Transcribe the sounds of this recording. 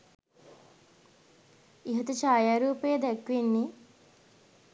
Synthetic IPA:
iɦɐt̪ut͡ʃaːjaːɾuːpejəd̪ɛkʋenːi

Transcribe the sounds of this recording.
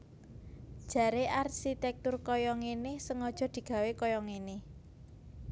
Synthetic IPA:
d̥ʒ̥ä̤ɾeʔarʃit̪ɛk̚t̪ʊrkɔjɔŋenɪhsəŋɔd̥ʒ̥ɔ̤d̪̥i̤ɡ̥ä̤wekɔjɔŋenɪh

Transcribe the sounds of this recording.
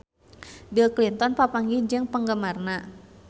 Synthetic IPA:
bilklint̪ɔnpapaŋɡid͡ʒɨŋpəŋɡəmarna

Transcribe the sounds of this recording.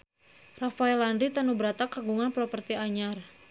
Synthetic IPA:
rafaɛlandɾit̪anubəɾat̪akaɡuŋanpɾɔpərt̪iaɲar

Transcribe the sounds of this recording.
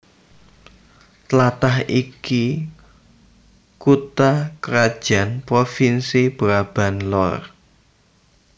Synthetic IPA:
t̪lat̪aɦiki | kut̪akəɾad̥ʒ̥a̤npɾofinsib̥ɾab̥a̤nlɔr

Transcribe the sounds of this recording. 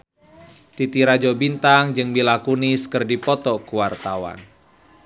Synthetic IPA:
t̪it̪iɾad͡ʒɔbint̪aŋd͡ʒɨŋbilakunɪskɨrdipɔt̪ɔkuwart̪awa̰n

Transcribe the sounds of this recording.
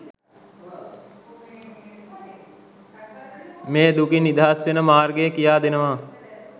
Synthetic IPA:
meːd̪ukinːid̪ʱaːsʋenəmaːɾɡejəkijaːd̪enəʋaː

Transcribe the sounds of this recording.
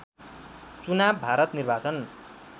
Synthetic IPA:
t͡sunabbʱaɾʌt̪nirbʱat͡sʌn

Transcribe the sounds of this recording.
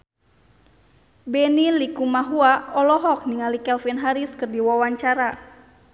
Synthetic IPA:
bɛnilikumaɦuaɔlɔɦɔk̚niŋalikɛlfɛnɦaɾiskɨrdiwawaɲt͡ʃaɾa

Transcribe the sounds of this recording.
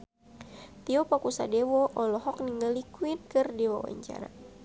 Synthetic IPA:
t̪iɔpakusadewɔʔɔlɔɦɔk̚niŋɡalikwinkɨrdɛwawa̰ɲt͡ʃa̰ɾa̰

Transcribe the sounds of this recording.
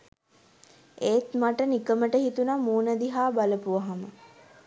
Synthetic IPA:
eːt̪maʈənikəməʈəɦit̪unamuːnəd̪iɦaːbaləpuʋaɦamə

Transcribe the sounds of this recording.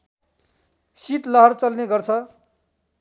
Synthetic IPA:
siʈlʌɦʌrt͡sʌlneɡʌrt͡sʰʌ

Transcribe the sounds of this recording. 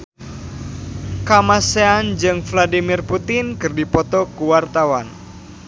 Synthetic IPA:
kamaseand͡ʒɨŋfladimirput̪ɪnkɨrdipɔt̪ɔkuwart̪awan

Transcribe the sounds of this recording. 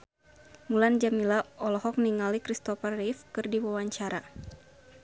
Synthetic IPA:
muland͡ʒamilaɔlɔɦɔk̚niŋalikɾist̪ɔfɛrːifkɨrdiwawaɲt͡ʃaɾa

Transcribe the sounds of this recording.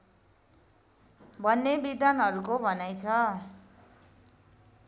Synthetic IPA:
bʱʌnːebid̪anʌɾukobʱʌnajt͡sʰʌ

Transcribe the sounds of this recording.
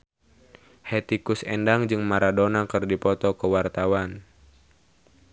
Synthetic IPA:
hɛt̪ikʊsɛ̰ndaŋd͡ʒɨŋmaɾadonakɨrdipɔt̪ɔkəwart̪awan

